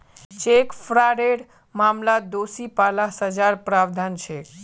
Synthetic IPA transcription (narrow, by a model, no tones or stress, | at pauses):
t͡ʃekpʰɾaɾeɽ | mamlad̪osipalasəd͡ʒaɾpɾabd̪ʱant͡ʃʰe